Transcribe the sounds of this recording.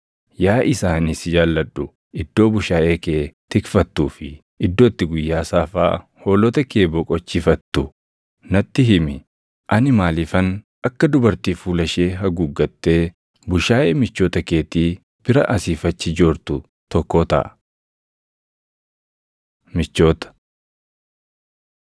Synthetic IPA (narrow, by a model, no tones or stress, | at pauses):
jaːʔɪsaːnɪsd͡ʒaːlːɐᶑːʊ | ɪd̪̥ːo̞ːbʊʃaːʔe̞ːkeːt̪ɪkfɐt̪ːuːfɪ | ɪd̪ːo̞ːt̪ːɪɡʊjːaːsaːfa̰ː | ho̞ːlɔt̪ɐke̞ːbɔkʼɔt͡ʃːɪfɐt̪ːʊ | nɐt̪ːɪɦɪmɪ | ʔɐnɪmaːlɪfɐn | ʔɐkːɐd̪ʊbɐɾt̪iːfuːlɐʃe̞ːɦɐɡʊɡːɐt̪ːe̞ː | bʊʃaːʔe̞ːmɪt͡ʃːo̞ːt̪ɐke̞ːt̪iː | b̥ɪɾɐʔɐsiːfɐt͡ʃːɪd͡ʒoːɾt̪ʊ | t̪ɔkːoːt̪ɐ̰ʔɐ | mɪt͡ʃːo̞ːt̪ɐ̥